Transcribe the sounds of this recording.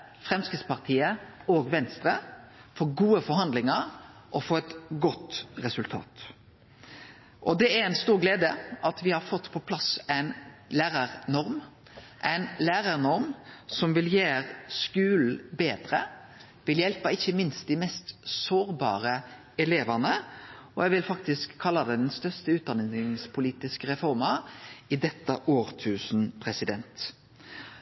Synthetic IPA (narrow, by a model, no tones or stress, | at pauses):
fʁɛmskɪspɑʁt̪ʰiːəoːɡʋɛnst̪ɾəfɔɾɡuːəfɔɾhɑnd̪lɪŋəɾʔɔfoːɛt̪ɡɔt̪ːʁɛsʉlt̪ʰɑ̰ːt̪ | ʔɔd̪ɛæɾæɪnst̪uːɾɡleːd̪əɑt̪ʋɪhɑɾfɔt̪ːpʰɔpʰlɑsæɪnlæːɾəɾnɔɾm | ʔæɪnlæːɾəɾnɔɾmsɔmʋɪljeːɾskʉːlbeːd̪ɾə | ʋɪljɛlpəɪçːəmɪnst̪̚d̪ɪmɛst̪soːɾbɑ̰ːɾə | ɛleːʋənəɔjɛɡʋɪlfɑk̚t̪ɪskʰːɑlːəd̪ɛd̪ɛnst̪œʁst̪əʉːt̪d̪ɑnɪŋspʰʊliːt̪ɪskəɾɛfɔɾmɑɪd̪ɛt̪ːəʔoːɾt̪ʰʉːsn̩pʰʁɛsɪd̪ɛnt̪